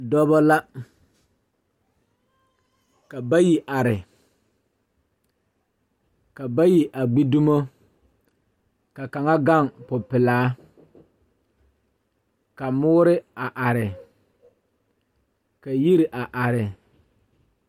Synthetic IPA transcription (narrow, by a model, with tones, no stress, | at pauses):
dɔ˦bɔ˦la˦ | ka˨ba˦ji˨ʔa˨ɾɪ˨ | ka˨ba˦ji˨ʔa˨ɡ͡bi˦du˦mo˦ | ka˨ka˨ŋa˦ɡa˦ŋpʊ˨pɪ˨laː˨˦ | ka˨mʊː˦ɾɪ˦a˨ʔa˨ɾɪ˨ | ka˨ji˦ɾɪ˨ʔa˨ʔa˨ɾɪ˨